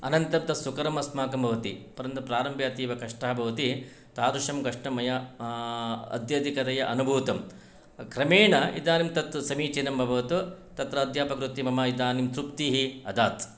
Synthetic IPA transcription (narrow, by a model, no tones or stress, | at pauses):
ɐ̰nɐnt̪ɐp̚d̪ɐsukɐɾɐmɐsmaːkɐmbʱɐʋɐt̪ipɐɾɐnt̪ɐpɾaːɾɐmbʱjaːt̪iːʋɐkɐʂʈɐɦɐbʱɐʋɐt̪i | t̪aːɾuʂɐmkɐʂʈɐmɐjɐ | ɐ̰d̪jɐd̪ʱikɐt̪ɐjɐʔɐnubʱuːt̪ɐm | kɾɐmeːɳɐḭd̪aːnimt̪ɐt̪sɐmiːt͡ʃinɐmbʱɐbʱɐʋɐt̪ut̪ɐt̪ɾɐːd̪ʱjaːpɐkɾut̪ːimɐmɐid̪aːnimt̪ɾupt̪iɦiɐd̪aːt̪